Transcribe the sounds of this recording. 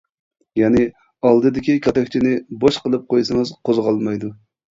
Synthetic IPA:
jɛnɪ | ɑlˠd̪ɨd̪ɪkʲikʲʰɑt̪ʰɛkʲt͡ʃʰinɪboʃqəlˠɨp̚qʰojsɨŋɨzqʰozʁɑlˠmɑjd̪u

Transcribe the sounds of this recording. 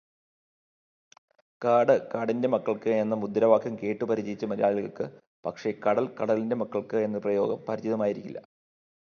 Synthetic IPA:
kaːɽɨkaːɽinde̞mɐkːɐɭkɨe̞nːɐmud̪ːɾɐʋaːkʰːɐmke̞ːʈːɨpɐɾid͡ʑɐjit͡ɕːɐmɐɾija̰ːɭilɣɐɭkːɨ | pɐkʂe̞kɐɽɐlkɐɽɐlinde̞mɐkːɐɭkɨenːɨprɐjo̞ːɡɐmpɐɾid͡ʑiðɐmaːjiɾikʲːilːɐ̰

